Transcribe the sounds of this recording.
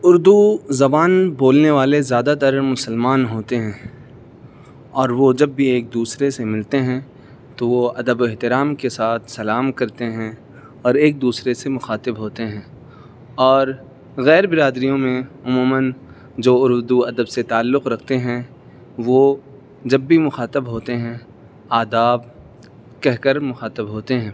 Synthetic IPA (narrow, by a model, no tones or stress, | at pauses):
ʊɾd̪uzɐbaːnboːlneʋaːlezjaːd̪at̪ɐɾmʊsəlmaːnɦoːt̪eɦɛ̃ː | ɔːɾʋod͡ʒɐbːʱieːk̚d̪uːsɾesemɪlt̪eɦɛ̃ | t̪oʋoɐd̪əboɪɦt̪ɪɾaːmkesaːt̪ʰsɐlaːmkɐɾt̪eɦɛ̃ | ɔːɾeːk̚d̪uːsɾesemʊxaːt̪ɪbɦoːt̪eɦɛ̃ː | ɔːɾ | ɣɛːɾbɪɾaːd̪ɾijõmẽʊmuːmən | d͡ʒoːʊɾd̪uɐd̪əbset̪aːlːʊqɾɐkʰt̪eɦɛ̃ | ʋo | d͡ʒɐbːimʊxaːt̪əbɦoːt̪eɦɛ̃ | aːd̪aːb | kɛɦkəɾmʊxaːt̪əbɦoːt̪eɦɛ̃ː